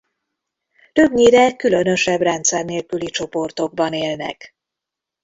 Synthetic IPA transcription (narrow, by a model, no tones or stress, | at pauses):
t̪ø̞bɲiːɾɛkylø̞nø̞ʃɛbrɛnt̪sɛrneːlkylit͡ʃo̞po̞rt̪o̞ɡ̚bɒneːlnɛ̰k